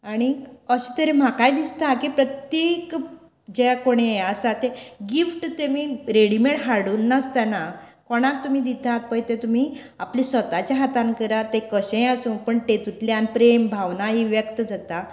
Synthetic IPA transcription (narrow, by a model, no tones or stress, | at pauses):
aɽ̃iəsət̪əɾem̤akajd̪ist̪akipɾət̪jek | d͡ʑeakoɽ̃easat̪eɡifʈt̪emiɾeɽimeɳʈɦaɽuːnːast̪anakɔɽ̃ãk̚t̪um̤iːd̪it̪at̪̚pəjt̪et̪um̤iː | aplisʋət̪at͡ɕjaɦat̪ãnkəɾat̪ekəɕẽjasũpəɳʈet̪ut̪leanpɾembʱaʋnaɦiʋjəkt̪əd͡zat̪a